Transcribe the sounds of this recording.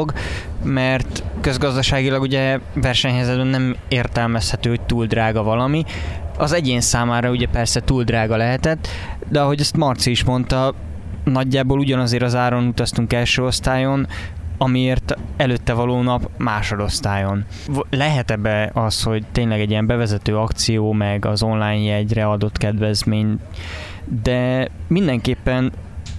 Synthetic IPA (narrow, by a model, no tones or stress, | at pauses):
ɡmɛrt̪køzɡɒzd̪ɒʃaːɡilɒɡuɟɛvɛrʃɛɲɦɛjzɛd̪bɛnːɛmeːrt̪ɛlmɛshɛt̪øːhoc̚t̪uːld̪raːɡɒvɒlɒmiɒzɛɟeːnsaːmaːɾɒuɟɛpɛrsɛt̪uːld̪raːɡɒlɛɦɛt̪ɛt̪ː | d̪ɛɒɦo̞ɟɛst̪mɒrt̪siiʃmo̞nt̪ɒ | nɒɟːaːboːluɟɒnɒzeːɾɒzaːɾonut̪ɒst̪uŋkɛlʃøːo̞st̪aːjo̞nɒmieːrt̪ɛløːt̪ːɛvɒloːnɒpmaːʃo̞d̪o̞st̪aːjo̞n | lɛɦɛt̪ɛbːɛɒsho̞ɟt̪eːɲlɛɡɛɟijɛmbɛvɛzɛt̪øːɒkt̪sijoːmɛɡɒzo̞nlaːjɲjɛɟrɛɒd̪o̞t̪kɛd̪vɛzmeːɲ | d̪ɛmind̪ɛŋkeːpːɛn